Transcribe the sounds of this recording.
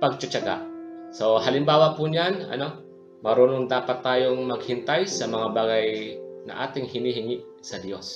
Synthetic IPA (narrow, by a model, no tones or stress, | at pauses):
pɐɡ̚t͡ʃɐt͡ʃaɡa̰ʔso̞ɦɐlɪmbaːwɐpuɲanɐ̰no̞ | mɐɾuːnoŋd̪aːpɐt̪ːaːjoŋmɐɡ̚hɪnt̪ajsɐmɐŋabaːɡajnɐ̰ʔaːt̪ɪŋhɪniɦɪŋɪʔ | sɐd̪jo̞s